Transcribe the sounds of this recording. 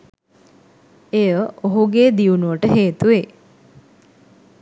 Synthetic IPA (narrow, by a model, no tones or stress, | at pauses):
ejəoɦuɡeːd̪iunuʋəʈəɦeːt̪uʋe